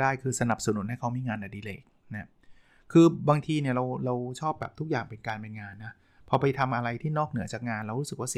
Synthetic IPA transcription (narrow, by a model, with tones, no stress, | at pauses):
daː˥˩jkʰɯː˧sa˧na˨˩p̚sa˧nu˨˦nha˥˩jkʰa˦˥wmiː˧ŋaː˧nʔa˨˩diː˧lḛː˨˩k̚na˦˥ | kʰɯː˧baː˧ŋt̪ʰiː˧ni˥˩ɐɾa˧wɾa˧wt͡ɕʰɔː˥˩p̚bɛː˨˩p̚t̪ʰu˥k̚jaː˨˩ŋpe˧nkaː˧npe˧nŋaː˧nːa˦˥ | pʰɔ˧pa˧jt̪ʰa˧mʔa˧ɾa˧jt̪ʰiː˥˩nɔː˥˩k̚nɯ˨˩˦ɐt͡ɕaː˨˩k̚ŋaː˧nɾa˧wɾu˦˥sɯ˨˩k̚waː˥˩si˨˦